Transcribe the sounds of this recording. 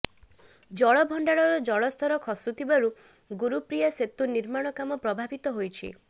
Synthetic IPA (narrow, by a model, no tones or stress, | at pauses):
d͡ʒɔɭɔbʱɔɳɖaɭɔɾɔd͡ʒɔɭɔst̪ʰɔɾɔkʰɔsut̪ʰibaɾu | ɡuɾupɾijaset̪uniɾmaɽ̃ɔkamɔpɾɔbʱabit̪ɔɦojt͡ʃʰḭ